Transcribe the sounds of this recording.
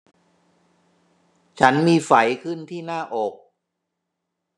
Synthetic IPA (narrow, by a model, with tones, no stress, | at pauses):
t͡ɕʰa˦˥nmiː˧fa˩˦jkʰɯ˥˩nt̪ʰiː˥˩naː˥˩ʔoː˨˩k̚